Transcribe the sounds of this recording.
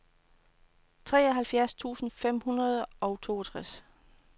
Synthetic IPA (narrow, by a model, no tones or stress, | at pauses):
t͡sʰʁɛːɒɦælfjæɐst͡sʰṵːsn̩fem̰hunɐð̞ˠʔɒ̽ʊt͡sʰo̝̰ːɐt͡sʰʁas